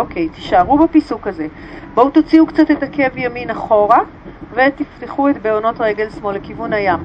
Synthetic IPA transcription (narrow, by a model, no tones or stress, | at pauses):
oke̞jti̥ʃaʁubepisukaze̞ | bout̪ot͡siukt͡satetake̞vjaminaχo̞ʁa | ve̞t̪ifteχue̞tbeono̞tʁeɡe̞lsmo̞lekivunhajam